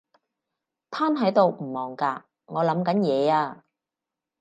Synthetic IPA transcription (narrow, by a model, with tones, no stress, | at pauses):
t̪ʰaː˥nɦɐ˨˥jt̪o˨wm̩˨˩mɔː˨˩ŋkaː˧ | ŋɔː˨˧lɐ˨˥mkɐ˨˥njɛː˨˧aː˧